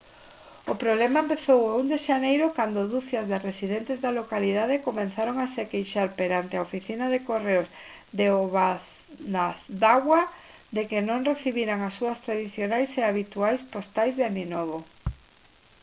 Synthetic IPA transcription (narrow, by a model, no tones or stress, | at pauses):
ʊpɾoβlɛmaempeθowaund̪eʃanejɾʊkand̪oðuθjaɐzðɪresiðɛnt̪ezðalokaliðaðekomẽnθaɾoŋasekejʃaɾpeɾant̪eaofiθinaðekoreoz | d̪eoβaθ | d̪aθd̪aɣwɐ | ðekenõŋreθiβiɾaŋasːuɐst̪ɾaðiθjonajseaβit̪uajspost̪ajzðaninɔβo